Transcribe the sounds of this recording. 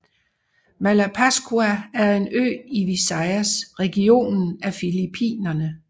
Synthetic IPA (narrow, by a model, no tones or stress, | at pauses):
mælæpʰæsɡ̥uææɐe̝nø̰ːiʋisɑɪæsʁɛɡ̥io̝̰ːnn̩æfilipʰḭːnɐnə